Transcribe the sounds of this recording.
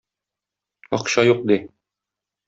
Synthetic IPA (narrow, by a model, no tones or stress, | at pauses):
ɒ̰qɕɑjuq̚d̪i